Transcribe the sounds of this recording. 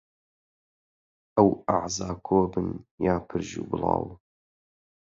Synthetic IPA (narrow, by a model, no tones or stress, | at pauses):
ʔəwaʕzaːkʰoːbɨnjaːpʰɨɾʒṵːbɨlɑ̰ːw